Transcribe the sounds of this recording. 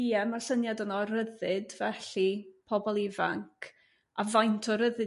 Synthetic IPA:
iɛmarsənjadɔnɔɾəðɨdvɛɬipʰɔbɔlˠɪvaŋkʰ | avajntʰɔɾəðɨ

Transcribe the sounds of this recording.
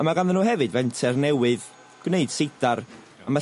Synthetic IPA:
amaɡanðənuːɦɛvɨdvɛntʰɛrnɛwɨð | ɡ̥wneɨd̥sejdaɾ | ama

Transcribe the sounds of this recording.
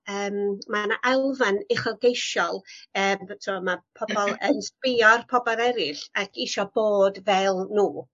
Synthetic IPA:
əːmmanaʔalˠvanɪχəlˠɡejʃɔlˠəːmtʰumapʰɔbɔlˠənswɪɔrpʰɔbɔɾɛɾɪɬakʰiʃɔboːdvɛlˠnuː

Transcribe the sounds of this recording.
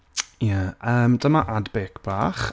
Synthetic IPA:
jaʔəːmdəmaʔadbeːkʰb̥a̰ːχ

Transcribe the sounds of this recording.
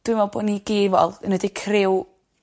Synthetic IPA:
d̥wɪmɔbo̰ːdniɡeːvɔ̰lˠənədikʰrɪw

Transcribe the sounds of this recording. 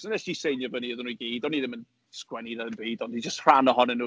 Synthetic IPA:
sənɛsisejnjɔvəniəðənuiɡeːdɔniðɪmən | skwɛniðɛənbeːdɔndid͡ʒəstr̥anɔɦɔnɛnːuː

